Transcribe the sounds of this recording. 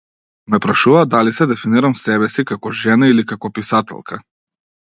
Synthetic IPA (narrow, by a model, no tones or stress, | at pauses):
mɛpɾaʃuvaːd̪alisɛd̪ɛfiniɾamsɛβɛsikakɔʒɛnailikakɔpisat̪ɛ̰lˠkʰa